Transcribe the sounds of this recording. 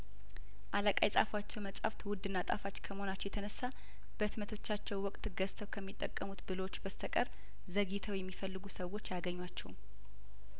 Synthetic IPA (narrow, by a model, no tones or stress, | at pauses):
ʔaləkʼajsʼa̰fwat͡ʃːɛwməsʼa̰ft̪ʰwʊd̪ːɨnːat̪ʼa̰fat͡ʃːkʰəməho̞nat͡ʃːɛwjɛt̪ʰənəsːa | b̥ət̪mət̪ʰo̞t͡ʃːat͡ʃːɛwwɔkʼt̪ɡəst̪ʰəwkʰəmːit̪ʼːəkʼːəmut̪bɨlowot͡ʃːbəst̪ʰəkʼəɾ | zəɡit̪ʰəwjɛmːifəlːɨɡusəwo̞t͡ʃːjaɡəɲːwat͡ʃːɛwum